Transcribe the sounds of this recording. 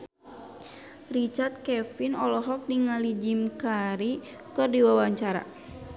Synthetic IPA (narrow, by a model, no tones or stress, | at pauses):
rit͡ʃart̪̚kɛfinɔlɔɦɔk̚niŋalid͡ʒimkaɾi | kərdiwawaɲt͡ʃaɾa̰